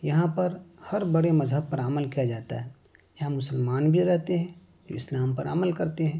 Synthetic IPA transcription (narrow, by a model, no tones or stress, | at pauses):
jɐɦãpɐɾhɐɾbɐɽemɐzɦəb̚pɐɾaməlkijad͡ʒaːt̪a̰ɦɛː | jɐɦãmʊsəlmaːnbʱiɾɛɦt̪eɦɛ̃ː | d͡ʒo̰ːɪslaːmpɐɾa̰ːməlkɐɾt̪eɦɛ̃ː